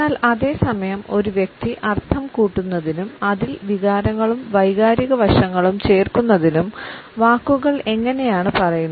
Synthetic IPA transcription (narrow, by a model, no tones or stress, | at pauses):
aːlɐðe̞ːsɐmɐjɐmo̞ɾuʋjek̚t̪iʔɐrt̪ʰɐmkuːʈːunːɐðinumɐðilʋiɣaːɾɐŋːɐɭumʋɐjɣaːɾiɣɐʋɐʂɐŋːɐɭumt͡ɕe̞ːrkunːɐðinumʋaːkːuɣɐɭe̞ŋːɐne̞jaːɳɨpɐrɐjunː